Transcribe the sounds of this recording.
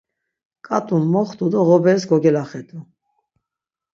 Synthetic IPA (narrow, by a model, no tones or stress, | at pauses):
kʼat̪ʼunmɔχt̪ud̪ɔʁɔbɛsɡɔɡɛlaχɛd̪ʰu